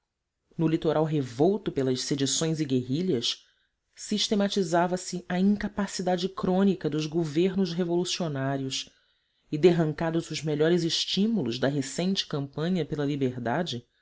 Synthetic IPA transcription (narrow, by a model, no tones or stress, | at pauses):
nʊlit̪oɾawɦevowt̪ʊpelɐʃsed͡ʒisõj̃ziɡeɦiʎɐs | siʃt̪emat͡ʃizavɐsɪɐĩŋkapasid̪ad͡ʒɪkɾõnikɐd̪ʊzɡoveɾnʊzɦevolusionaɾiʊs | ɪd̪eɦɐ̃ŋkad̪ʊzʊzmeʎɔɾɪzɪʃt͡ʃimulʊʒd̪ɐɦesẽnt͡ʃɪ̥kɐ̃mpɐ̃ɲɐpelɐlibeɾd̪ad͡ʒɪ